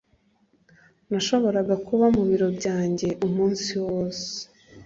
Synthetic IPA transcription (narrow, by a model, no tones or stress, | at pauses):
naʃo̞βo̞ɾaɡakuβamuβiɾo̞bɟaːɲɟe̞ʔumuːnsiwoːse̥